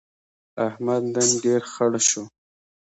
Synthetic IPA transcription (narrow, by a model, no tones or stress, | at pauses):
ahmad̪d̪anɖeɾxəɽʃo